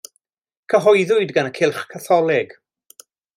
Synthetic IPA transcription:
kʰəɦɔɨðʊɨdɡanəkʰɪlˠχkʰaθɔlˠɪɡ̥

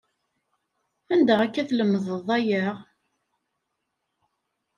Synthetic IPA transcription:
ænd̪əʁækːæθləmːəðəðˤæjəʁ

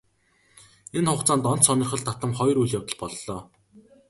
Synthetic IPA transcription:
enχʊqt͡saːnt̪ɔn̥t̪sɔnɞ̆rχə̆ɮt̪at̪ə̆mχɔjrujɮjawt̪ə̆ɮpɔɮːɔː

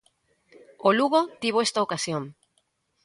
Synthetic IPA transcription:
oluɣot̪iβoest̪aokasjoŋ

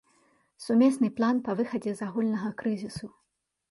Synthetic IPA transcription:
sumʲɛsnɨplˠanpɐvɨxɐd͡zʲɛzaɣulʲnɐɣɐkɾɨzʲisu

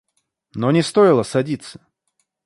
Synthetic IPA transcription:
nonʲɪst̪o̞jɪlˠəsɐdʲit̪sə̥

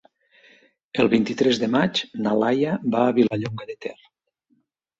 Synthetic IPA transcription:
əlˠβint̪it̪ɾɛzðəmat͡ʃnalajabaːβilaʎoŋɡaðet̪ɛr

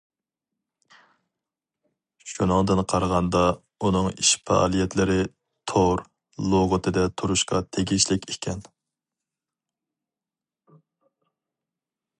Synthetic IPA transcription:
ʃunɨŋd̪ɨnqʰɑɾʁɑnd̪ɑ | unɨŋiʃfʰɑ̰ʔɑ̰lˠijɛt̪lɪɾɪ | t̪ʰoɾ | lˠoʁʊt̪ʰɨd̪ɛt̪ʰuɾuʃqɑ̰t̪ʰeɡʲiʃlɪkʲekʲʰɛn

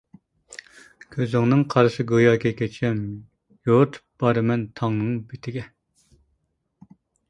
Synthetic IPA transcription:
kʲʰøzɪŋnɨŋqʰɑɾʃɨɡojɑːkʲʰɛkʲɛt͡ʃʰɛm | jot̪ʰb̥ɑɾɨmɛnt̪ʰɑŋnɨŋbet̪ʰɪɡʲɛ

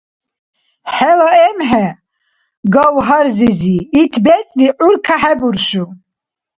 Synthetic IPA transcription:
ħɛlaɛmħɛ | ɡawɦaɾziziːt̪ʰbɛt͡sʼliʔuɾkʰaħɛbuɾʃu

